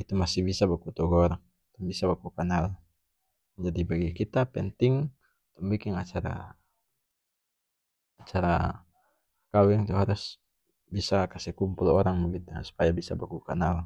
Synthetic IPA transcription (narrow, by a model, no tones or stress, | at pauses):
it̪umasihbisabakut̪ɔɡɔɔɾaŋ | t̪ɔŋbisabakukanal | d͡ʒadibaɡikit̪apɛnt̪ɪŋ | t̪ɔŋbikɪŋat͡ʃaɾa̰ | at͡ʃaɾa | kawɛŋt̪uɦaɾus | bisakasɛkumpulɔɾaŋbəɡit̪usu̥pajabisa̰bakukanal